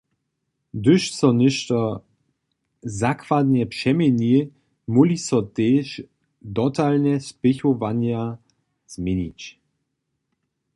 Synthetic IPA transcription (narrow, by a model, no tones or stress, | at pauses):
d̪ʏʃsɔnɪʃt̪ɔ | zakvad̪ɲɛpʂɛmɛɲi | mulisɔt̪eːʃ | d̪ɔt̪alnɛspɪxɔvaɲja | z̥mɛɲit͡ɕ